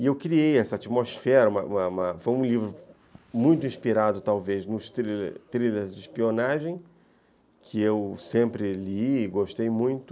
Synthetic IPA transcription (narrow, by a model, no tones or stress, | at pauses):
ɪewkɾiejɛsɐat͡ʃimosfɛɾɐũmɐũmɐũmɐfojũlivɾʊ | mũj̃t̪ʊĩʃpiɾad̪ʊt̪awveznʊst̪ɾilḛɾt̪ɾileɾzd͡ʒɪʃpionaʒẽj̃ | kʰɪewsẽmpɾɪliːɡoʃt̪ejmũj̃t̪ʊ